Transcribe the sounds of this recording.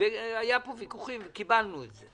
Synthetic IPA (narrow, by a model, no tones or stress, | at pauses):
eajapovikuχimkibalnuze